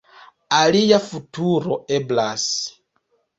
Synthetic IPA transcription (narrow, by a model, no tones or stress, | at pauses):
alijafutuɾoeblas